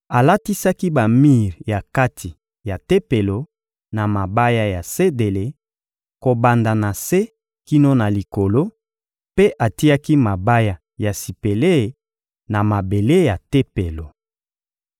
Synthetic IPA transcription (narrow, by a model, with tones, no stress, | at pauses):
a˨la˦ti˦sa˦ki˦ba˨mi˦˨ʁja˨ka˦tʰi˨ | ja˨te˦pe˨lo˨ | na˨ma˨ba˦ja˦ja˨se˦de˨le˨ | ko˨ba˨nda˨na˨se˦ | ki˦no˦na˨li˨ko˨lo˦ | pe˦ʔa˨ti˦a˦ki˦ma˨ba˦ja˦ | ja˨si˨pe˨le˦˨ | na˨ma˨be˨le˦ja˨te˦pe˨lo˨